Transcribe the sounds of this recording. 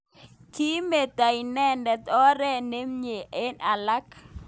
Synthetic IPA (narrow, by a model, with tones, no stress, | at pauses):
ki˦me˨ta˨inɛ˦ndɛ˨t̪ɔ˦ɾɛ˦ne˦mɲe˨ʔe˦na˨la˦k